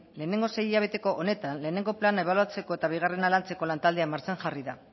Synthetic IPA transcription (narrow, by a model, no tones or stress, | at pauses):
le̞ːne̞ŋɡose̞jiʎaβ̞e̞t̪e̞ko̞ʔone̞t̪anle̞ːne̞ŋɡo̞planaeβ̞aluat͡se̞ko̞e̞t̪aβ̞iɣ̞are̞nalant͡se̞ko̞lant̪ald̪e̞amaɾt͡seŋʝariða